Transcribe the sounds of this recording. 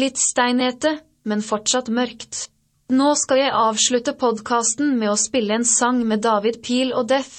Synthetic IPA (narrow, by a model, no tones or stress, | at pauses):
lɪt̪st̪æɪneːt̪ə | mɛnfɔʈʂɑt̪mœɾkt̪ | noːskɑjæɪʔɑːʋʃɭʉt̪əpʰɔd̪kʰɑːst̪n̩meːoːspɪləeːnsɑŋmeːd̪ɑːʋɪd̪pʰiːloːd̪ɛf